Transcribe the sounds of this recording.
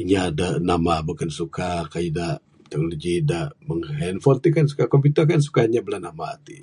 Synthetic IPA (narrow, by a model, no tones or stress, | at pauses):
iɲadanamabukansukakaidaʔ | t̪ɛk̚noloɡidaʔməŋhɛnfɔnt̪ikans̬u̥kakɔmpit̪əkans̬u̥kaiɲabəlanamat̪i